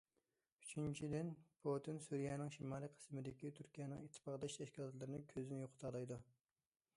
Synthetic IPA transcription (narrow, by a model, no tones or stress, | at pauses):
y̥t͡ʃʰynt͡ʃʰid̪ɪnpʰot̪ʰɨnsuɾijɛnɪŋʃimɑːlˠiqʰə̥smɪd̪ɪkʲit̪ʰyɾkʲijɛnɪ̰ŋit̪ʰːɨ̥pɑʁd̪ɑʃt̪ʰɛʃkʲilˠɑt̪lˠɨɾɨnɨkʲʰøzɪnjoqʰt̪ʰɑlˠɑjd̪u